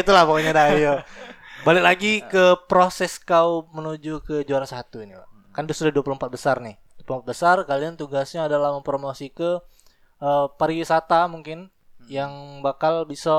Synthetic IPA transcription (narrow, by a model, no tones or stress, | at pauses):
it̪ulahpakoɲadaijobalɪk̚laɡikəpɾosɛskawmənud͡ʒukəd͡ʒuaɾansat̪uinipa̰ | kandʊsudahduapuluəmpat̪̚bəsarnɪhduapulumpat̪̚bəsarkaliant̪uɡasɲaːdalahməmpɾomosikə | ʔəpaɾiwisat̪amuŋkɪn | jaŋbakalbisa